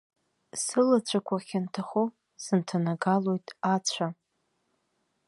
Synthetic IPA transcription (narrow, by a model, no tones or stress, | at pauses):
sɨlat͡ɕʷʰakʷʰaχʲantʰaχo | sɨntʰanaɡalo̞jtʼat͡ɕʷʰa